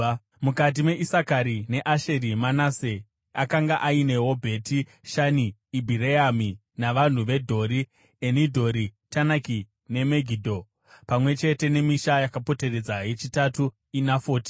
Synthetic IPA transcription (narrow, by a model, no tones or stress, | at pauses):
mukat̬imwe̞ʔisakaɾine̞ʔaʃe̞ɾimanaːse | akaŋɡaʔaine̞ɦobʱe̞ti | ʃaniːbʱiɾeami | naʋan̤uʋe̞dʱo̞ɾi | enidʱo̞ɾitanaki | ne̞meɡʱidʱo̞ | pamwe̞t͡ʃe̞te̞ne̞miʃajakapo̞te̞re̞d͡zajet͡ʃitatu | inafo̞ːti̥